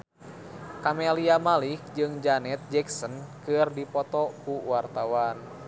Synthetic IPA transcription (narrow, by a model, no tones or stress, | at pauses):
kamɛliamalik̚d͡ʒɨŋd͡ʒanɛt̪̚d͡ʒɛksənkɨrdipɔt̪ɔkuwart̪awan